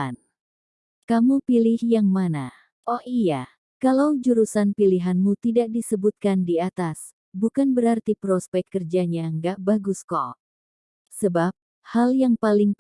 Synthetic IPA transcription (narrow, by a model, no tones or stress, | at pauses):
n | kamupilɪhjaŋmana | ɔhija | kalawd͡ʒuɾusanpiliɦanmut̪idak̚disəbut̪̚kandiat̪as | bukanbəɾart̪ipɾɔspɛkkːərd͡ʒaɲaŋɡaʔbaɡuskɔ̰ | səbap̚ | haljaŋpalɪŋ